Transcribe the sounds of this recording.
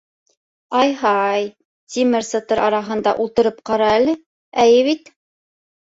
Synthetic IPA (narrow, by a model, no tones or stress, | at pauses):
ɑjɦɑj | t̪ʲimɘɾsɤt̪ɤɾʔɑɾɑɦɤ̆nd̪ɑ̰ʔulˠt̪ɤ̆ɾɤp̚qɑɾɑælɘ | æjɘβit̪